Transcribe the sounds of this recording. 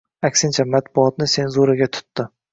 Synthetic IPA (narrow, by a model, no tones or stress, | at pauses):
akʲsɪnt͡ʃʰamat̪̚bʊɒt̪̚nɪse̞nzuɾaɡʲat̪ʰʊ̥t̪ːɪ